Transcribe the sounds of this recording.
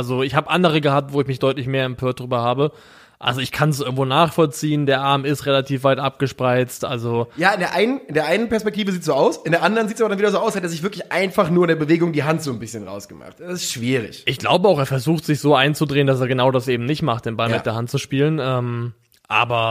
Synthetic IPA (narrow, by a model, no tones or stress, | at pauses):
ʔalzoɪçhaːbəʔandəʁ̞əɡəhaːp̚tv̥oːɪçmɪçd̥ɔʏtlɪçmeːɐɛmpʰøːɐt̚d̥ʁyːbɐhaːbə | ʔa̰lzoɪçkʰans̬ʔɪɐɡŋ̩tvoːnaːχfɔlt͡siːəndeːɐʔaɐmɪstʁelatʰiːfv̥aɪtʔap̚ɡ̥əʃpʁ̥aɪt͡stʔa̰lzojaːɪndeɐʔaɪnənɪndeːɐʔaɪnənpɛɐspɛk̚tʰiːvəziːtz̥oːʔaʊsɪndeːɐʔandəʁənziːts̬abɐɾanviːdɐzoːʔaʊshateːɐzɪçvɪɐklɪçʔa̰ɪnfaχnuːɐɪndeɐbəveːɡʊŋdiːɦantz̥oːnbɪsçənʁa̰ʊsɡ̥əma̰χtɛsɪstʃv̥iːʁɪ̰çʔɪçɡ̥la̰ʊbəaʊxeːɐfɛɐzuːxtz̥ɪçz̥oːʔaɪnt͡sudʁeːəndas̬eːɐɡənaʊdasʔeːbm̩nɪçtmaχt̚d̥eːnbalmɪd̥eːɐɦantt͡suʃpiːlənʔɛːm | ʔa̰ːbɐ